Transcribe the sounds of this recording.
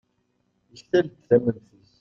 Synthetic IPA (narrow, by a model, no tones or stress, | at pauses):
əsθæld̪θæmənθis